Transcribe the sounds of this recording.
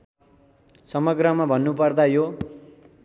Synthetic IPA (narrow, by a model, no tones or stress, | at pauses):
sʌmʌɡrʌmabʱʌnːupʌrd̪ajo